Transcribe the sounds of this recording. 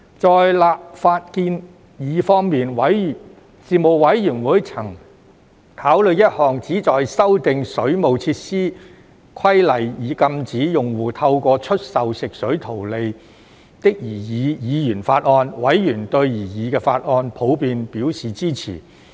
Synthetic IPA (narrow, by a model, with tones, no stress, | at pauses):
t͡sɔː˨jlaː˨p̚faː˧t̚kiː˧n | jiː˨˧fɔː˥ŋmiː˨nwɐ˨˥j | siː˨˩mo˨wwɐ˨˥jːyː˨˩nwuː˨˥jt͡sʰɐ˨˩ŋ | t̪ʰaː˨˥wlɵ˨˧ɥjɐ˥t̚hɔː˨˩ŋt͡siː˨˥t͡sɔː˨jsɐ˥wt̪ɪ˨˧ŋsɵ˨˥ɥmo˨wt͡sʰiː˧t̚siː˥ | kʰɐ˥jlɐ˨jjiː˨˥kɐ˧mt͡siː˨˥jʊ˨ŋwuː˨˩t̪ʰɐ˧wkʷɔː˧t͡ʃʰɵ˥t̚sɐ˨wsɪ˨k̚sɵ˨˥ɥt̪ʰo˨˩wle˨˧j | t̪ɪ˥k̚jiː˨˩jiː˨˧˥jiː˨˧jyː˨˩nfaː˧t̚ʔɔː˧nwɐ˨˥jːyː˨˩nt̪ɵ˧ɥjiː˨˩jiː˨˧kɛː˧faː˧t̚ɔː˧npʰo˨˥wpiː˧npiː˨˥wsiː˨t͡siː˥t͡sʰḭː˨˩